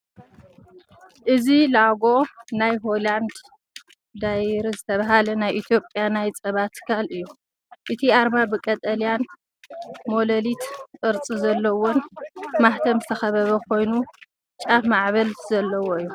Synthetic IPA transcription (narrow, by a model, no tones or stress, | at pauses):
ʔɨzilaɡo̞najɦoland̪ | d̪ajɾizɨt̪ʰɐβaɦalɐnajʔit̪ʰjo̞pʼjanajt͡sʼɐβat̪kʰalɨjːu | ʔɨt̪ʰiaɾmabɨkʼɐt̪ʼɐljan | molɐlit̪kʼɨɾt͡sʼizɐlːɐwonmaht̪ʰɐmzɨt̪ʰɐxɐβɐβɐkʰo̞jnu | t͡ʃʼafmaʕβɐlz̥ɐlːɐwoɨjːu